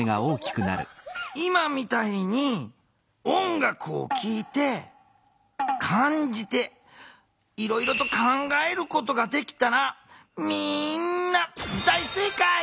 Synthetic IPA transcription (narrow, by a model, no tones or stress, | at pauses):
eɡa̰o̞ːkʲi̥kɯ̟na̰ɾɯ̟̰imamʲit̪aiɲ̟i | õ̞ŋɡakɯ̟o̰kʲʰiːt̪e̞ | kʰãɲd͡ʑit̪e̞ | iɾo̞iɾo̞t̪o̞kãŋɡae̞ɾɯ̟ko̞t̪o̞ɡad̪e̞kʲi̥t̪aɾamʲinːad̪aise̞ːka